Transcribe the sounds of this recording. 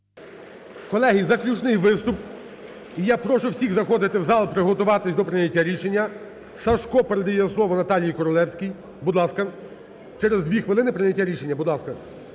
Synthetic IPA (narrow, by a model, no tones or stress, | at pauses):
kɔlˠɛɦizɐklʲut͡ʃnɪjʋɪst̪ʊp | ijapɾɔʃʊwsʲiɣzɐxɔd̪ɪt̪ɪwzɑlˠpɾɪɦɔt̪ʊʋɑt̪ɪsʲd̪ɔpɾɪnʲɐtʲːaɾʲiʃenʲːɐ | sɐʃkɔpeɾed̪ɪjɛslˠɔʋɔnɐt̪ɑlʲjijkɔɾɔlˠɛwsʲkʲij | bud̪lˠɑskɐ | t͡ʃɛɾezd̪ʋʲixʋɪlˠɪnɪpɾɪnʲɐtʲːaɾʲiʃe̞nʲːɐbud̪lˠɑskɐ